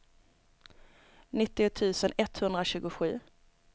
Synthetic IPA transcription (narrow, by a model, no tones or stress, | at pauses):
nɪt̪ːɪʊt̪ʰʉ̟ːsənɛt̪hɵnd̪ɾaɕʉ̟ːɡʊɧʉ̟̰ː